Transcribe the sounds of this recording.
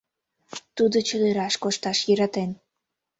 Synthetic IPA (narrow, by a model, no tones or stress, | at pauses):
t̪ud̪ot͡ɕəd̪eɾɑʃkoʃt̪ɑʃjəɾɑt̪en